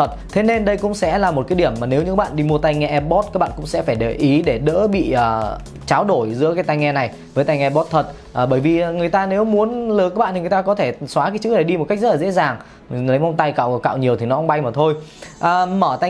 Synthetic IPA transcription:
ə˨˩t̚t̪ʰe˨˦ne˧nɗə˧jkʊ̰˧˥ŋ͡msɛ̰˧˥laː˨˩mo˨˩t̚kaː˨˦jɗi˧˩əmːaː˨˩ne˨˦wɲɨ̰˧˥ka˦˥ɓa̰ː˧˨nɗi˧mu˧ət̪a˧jŋɛ˧ʔɛ˧ɓɔ˦˥t̚kaː˦˥k̚ɓa̰ː˧˨kʊ̰˧˥ŋ͡msɛ̰˧˥faː˧˩jɗe˨˩ʔi˨˦ɗe˧˩ɗə̰ː˧˥ɓḭ˧˨ʔəː˨˩ | t͡ɕaː˨˦wɗo˧˩jzɨ̰˧˥əkaː˨˦jt̪a˧jŋɛ˧na˨˩j | vəː˨˦jt̪a˧jŋɛ˧ɓɔ˦˥t̚t̪ʰə˨˩t̚ | ʔːɓəː˧˩jvi˨˩˨ŋɨ˨˩əjt̪aː˧ne˨˦wmu˨˦ənləː˨˦kaː˦˥ɓaː˧˨nʰi˨ŋ˨˩t̪aː˧kɔ˨˦t̪ʰe˧˩swaː˨˦kaː˨˦jt͡ɕɨ˦˥k̚na˨˩jɗi˧mo˨˩t̚kk̚ztlaː˨˩ḛ˧˥zaː˨˩ŋ | lə˨˦jmɔ˧wŋ͡mt̪a˧jka̰ː˧˨wka̰ː˧˨wɲi˨˩əwt̪ʰi˨˩nɔ˨˦ʔŋ͡mɓa˧jmaː˨˩t̪ʰo˧jʔəː˨˩məː˧˩t̪a˧

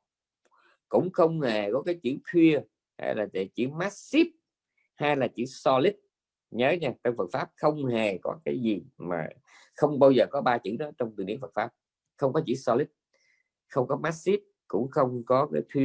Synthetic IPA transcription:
kʊ̰˧˥ŋ͡mxə˧wŋ͡mhe˨˩kɔ˨˦kaː˨˦jt͡ɕḭ˧˩˨t̪ʰwi˧ə | ha̰ː˧jlaː˨˩tḛ˧˩t͡ɕḭ˧˥maː˦˥t̚si˦˥p̚ | haː˧jlaː˨˩t͡ɕḭ˧˩˥sɔ˧li˦˥t̚ | ɲəː˨˦ɲaː˧twŋfə˨˩t̚faː˦˥p̚xə˧wŋ͡mhe˨˩kɔ̰˨˦kaː˨˦jzi˨˩ma̰ː˨˩ | xə˧wŋ͡mɓaː˧wzəː˨˩kɔ˨˦ɓaː˧t͡ɕɨ̰˧˥˨nɔ˨˦t͡ɕɔ˧wŋ͡mt̪ɨ˨˩nḭ˧˥əfə˨˩t̚faː˦˥p̚ | xə˧wŋ͡mkɔ˨˦t͡ɕḭ˧˩˥sɔ˧lï˦˥t̟̚ | xə˧wŋ͡mkɔ˨˦maː˦˥t̚si˦˥p̚kʊ̰˧˥ŋ͡mxə˧wŋ͡mkɔ˨˦kaː˨˦jt̪ʰwi˧

